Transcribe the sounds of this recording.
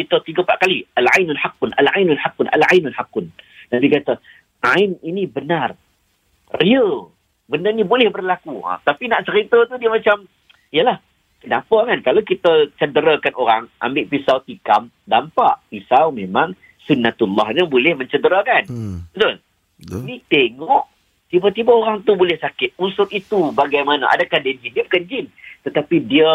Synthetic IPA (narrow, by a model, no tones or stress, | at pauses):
kit̪ət̪iɡəpaʔkalialʕajnunħaqːʊnʔalʕajnunħaqːʊnʔa̰lʕajnunħaqːʊndabikat̪ə | ʔaɪninibənar | riəl | bəndənĩbolɛhbərlakuə̰t̪apinaʔt͡ʃəɾit̪ət̪udiəmãt͡ʃam | ijəlah | dampaʔkankalawkit̪ət͡ʃədəɾakanoɾaŋʔa̰mbɪʔpisawt̪ikam | dampa̰ʔpisawmẽmaŋ | sunːat̪ulːɔ̰hɲabolɛhmə̃ɲt͡ʃədəɾakanbət̪ʊl | nit̪eŋɔʔ | t̪ibat̪ibaoɾaŋt̪ubolɛhsakɪt̪̚unsʊt̪it̪ubaɡajmana̰ʔa̰dakahdənd͡ʒindiəbəkəɲd͡ʒɪnt̪ət̪apidiə